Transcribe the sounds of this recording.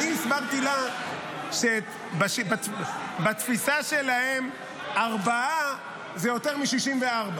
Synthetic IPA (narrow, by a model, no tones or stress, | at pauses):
iisbaʁt̪ila | ʃe | baʃibat̪bat̪fisaʃe̞lahe̞m | aʁbaa | zejo̞t̪e̞ʁmiʃiʃimveaʁba